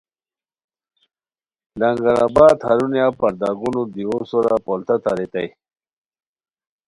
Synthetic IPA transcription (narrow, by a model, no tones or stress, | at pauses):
laŋɡaɾabaːd̪haɾunjapaɾd̪aɡunod̪iwosoɾapolt̪at̪aɾit̪aj